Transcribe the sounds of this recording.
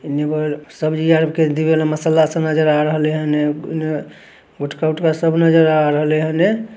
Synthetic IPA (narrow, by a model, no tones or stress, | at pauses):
nebəsəbd͡ʒijaɾəbked̪ibelaməsəlasə̃nəd͡ʒəɾaɾəɦəleɦənene | ɡoʈʰkauʈkasəbnəd͡ʒəɾaɾəɦəleɦəne